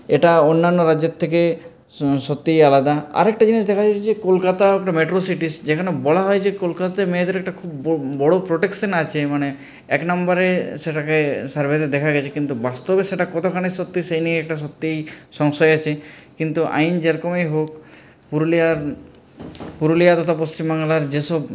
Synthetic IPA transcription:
eʈaonːanːoɾad͡ʒet̪ʰːeke | sot̪ːejalad̪aa̰ɾɛkʈad͡ʑinisd̪ɛkʰad͡ʑaed͡ʑekolkat̪aɛkʈameʈɾosiʈisd͡ʒekʰanebɔlaɦɔjt͡ʃʰekolkat̪at̪emeed̪eɾɛk̚ʈakʰubbɔɽopɾoʈeksenat͡ʃʰemane | ɛknambaɾeseʈakesaɾbʱet̪ed̪ɛkʰaɡɛt͡ʃʰekint̪ubast̪ɔbeseʈakɔt̪ʰokʰañesɔt̪ːisejnieɛk̚ʈas̬ɔt̪ːejsɔŋsɔjat͡ʃʰekint̪uʔa̰jnd͡ʒeɾkɔmejɦok̚ | puɾliaɾ | puɾuliat̪ɔt̪apost͡ʃimbaŋlaɾd͡ʒesɔb

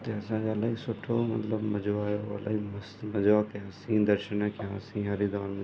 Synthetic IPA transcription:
t̪eɐsãːd͡ʒɐlaisʊʈʰomɐ̰t̪ləbmɐd͡ʒoaːjoɐ̰la̰imsmɐd͡ʒakãsĩːd̪ɐɾʃənəkãːsĩɦɐɾid̪ɔːɾmɐ

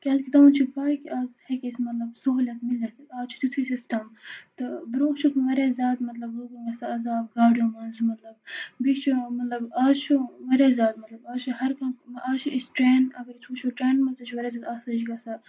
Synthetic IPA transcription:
kʲɐlkit̪ɐmunt͡ʃʰipaːkiʔaːzhekʲesmɐt̪lɐbsoɦlʲɐt̪milɐt̪ʰaːt͡ʃʰu̥t̪it̪ʰisisʈɐmt̪ɨbɾoːkt͡ʃʰut̪ʰʋɐɾeːzʲaːt̪mɐt̪lɐbɦoɡuŋɡɐsaɐzaːbɡaːɖjõːmɐnzumɐt̪lɐbbit͡ʃʰumɐt̪lɐbaːzt͡ʃʰuʋɐɾezʲjaːt̪mɐt̪lɐbaːzt͡ʃʰuɦɐɾkɐnmʔaːt͡ʃʰuʔisʈɾeːnɐɡɐɾt͡ʃʰut͡ʃʰuʈɾeːnmɐzɐt͡ʃʰuʋɐɾeːzʲaːt̪aːsɐt͡ʃɡɐsa

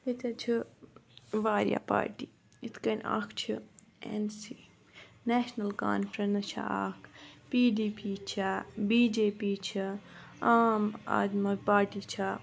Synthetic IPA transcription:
it̪ʲɐt͡ʃʰi | ʋaːɾja̰pa̰ːɾʈiː | it̪ʰkɐnʲa̰ːkʰt͡ʃʰi | ḛnsiː | nɛːʃnɐlkaːnfɾɐnt͡ʃʰa̰aːkʰpiːɖiːpiːt͡ʃʰabiːd͡ʒeːpiːt͡ʃʰiaːma̰ːd̪mɐpaːɾʈit͡ʃʰa

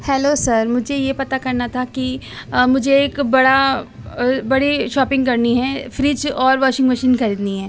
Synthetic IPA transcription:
hɛːlosɐɾmʊd͡ʒʱejepɐt̪akɐɾnat̪ʰaki | mʊd͡ʒʱeeːkbɐɽa | bɐɽiʃɔːpɪ̃ŋɡkɐɾniɦɛfɾiːd͡ʒɔːɾʋɔːʃɪ̃ŋɡʋɐʃɪ̃nxɐɾiːd̪niɦɛ̃ː

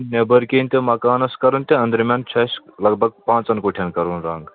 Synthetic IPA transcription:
nebɐɾkʲeːnʲt̪ʲemɐkaːnɐskɐɾɐnt̪ʲeɐ̃nd̪ɾimʲɐnt͡ʃʰɐslɐɡ̚bʱɐɡ̚pãːt͡sɐnkoːʈʰɐnkɐɾuːnɾɐːŋɡ

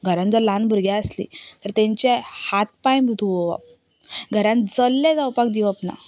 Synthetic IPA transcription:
ɡʱəɾãnd͡zɔlãnbʱəɾɡjãəslḭt̪əɾt̪ɛ̃ɲt͡ɕehat̪̚pãjbʱut̪uʋoʋa̰p | ɡʱəɾãnd͡zəlːed͡zawpak̚d̪iʋapna̰

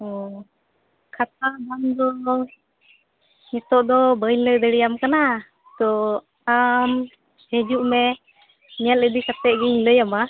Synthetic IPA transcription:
ɔ | kʰat̪̚ab̪and̪ɔ | ɲɛt̪ɔʔd̪ɔbəjləjd̪əɽijamkana | t̪ɔ | am | hɛd͡ʒuʔmɛ | nial̚ləd̪ikat̪ɛʔɡiɲləjama

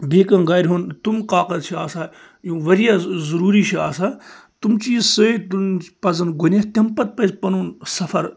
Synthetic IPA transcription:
bʱeːkɐnɡaːɾʲɦunt̪umq̪aːkɐd̪t͡ʃʰiaːsaː | jũːʋɐɾijaːzɐɾuːɾiʃʰia̰ːsaː | t̪umt͡ʃiːzsɨit̪unpɐzɐnɡunʲɐt̪ʲɐmpɐt̪̚pɐzpɐnuːnsɐfɐɾ

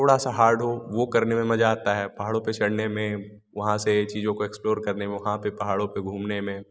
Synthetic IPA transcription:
t̪ʰoːɽasaɦaːɾɖʱɦoʋokɐɾnemẽmɐd͡ʒaːt̪aɦɛːpɐɦaːɽõpet͡ʃʰɐɽnemẽ | ʋɐɦãset͡ʃiːzõkoeksploːɾkɐɾnemẽʋɐɦãpepɐɦaːɽõpeɡʱuːmnemẽ

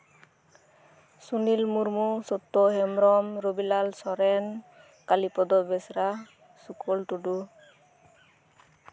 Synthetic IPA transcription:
sunilmuɾmusɔt̪ːɔɦɛmɾɔmɾobilalsɔɾɛn | kalipɔd̪ɔbɛsɾa | sukʰɔlʈuɖu

